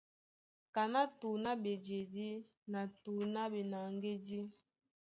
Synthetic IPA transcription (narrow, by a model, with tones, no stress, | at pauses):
ka˨na˦tu˨na˦be˨d͡ʒe˨di˦ | na˨tu˨na˦be˨na˨ŋɡe˦di˦